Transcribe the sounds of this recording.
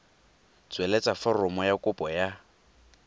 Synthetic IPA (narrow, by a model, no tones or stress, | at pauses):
t͡sʼwɛlet͡sʼafɔrɔmɔjakʼʊpʼɔja